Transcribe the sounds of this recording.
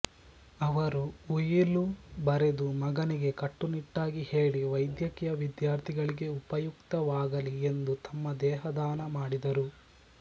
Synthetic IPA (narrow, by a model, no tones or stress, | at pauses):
ɐʋɐɾuujilubɐɾe̞d̪umɐɡɐniɡe̞kɐʈːuniʈːaːɡihe̞ːɭiʋɐjd̪jɐkijɐʋid̪jaːɾt̪ʰiɡɐɭiɡe̞upɐjukt̪ɐʋaːɡɐlie̞nd̪ut̪ʰɐmːɐd̪ɛːɦɐd̪aːnɐmaːɽid̪ɐɾu